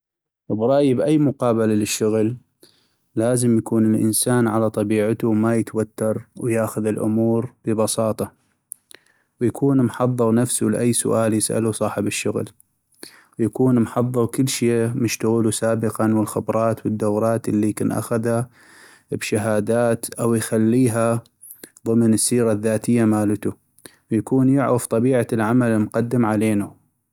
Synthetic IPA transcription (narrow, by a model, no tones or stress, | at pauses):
bɾˤɑʔjbʔajːmʊqɑːbalalɪʃːʊɣlː | aːzəmjakuːnɪlʔɪ̰nsaːnʕalat̪ˤɑbiːʕat̪umajət̪wat̪ːɑɾˤwjaːxʊðɪlʔʊ̰muːɾbəbɑsɑːt̪ˤɑ | wjakʰuːnmħɑðˤːɨɾnafsulɪʔajːsʊ̰ʔaːljɪsʔa̰lusˤɑːħɪbɪʃːʊɣl | wjakuːnmħɑðˤːɨɾkɪlːʃeːmʊʃt̪aɣuːlusaːbəqɑnwɪlxɪbɾˤɑːt̪wəd̪ːawɾˤɑːt̪ɪlːikɪnʔa̰xaða | bʃaɦaːd̪aːt̪ʔawjxalːiːɦa | ðˤɨmnəsːiːɾaðːaːt̪ɪjːamaːlt̪u | wjakuːnjɪʕɾaft̪ˤɑbiːʕalʕamalmqɑd̪ːɪmʕaleːnu